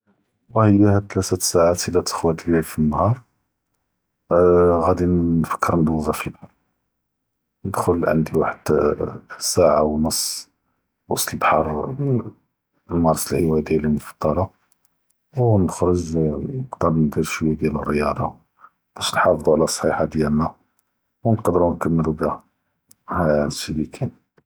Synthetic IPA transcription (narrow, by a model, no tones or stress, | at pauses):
wɑhəjːæhæt̪læt̪əsaʕat̪əlːæt̪ə̥xwæt̪bælfinːɑhɑɾˤ | ɣæd̪innfə̥kʰːəɾnd̪wzˤɑfilbħɑɾˤ | nəd̪xʊlʕə̰nd̪iwaħəd̪̥ | saʕawnəsˤː | wɑsˤt̪lbħɑɾˤ | mɑɾˤsˤlhəwæjd̪ijælimofɑ̥d̪ˤːɑlɑ | wnəxɾəʒnəqd̪əɾˤnd̪iɾʃwəjæd̪jælərːəjɑd̪ˤɑ | b̥æʃəlħɑfd̪ˤuʕlæsˤħiħad̪jælmæ | wnqd̪əɾunkəmːəlubhæ | hænsəbikʰin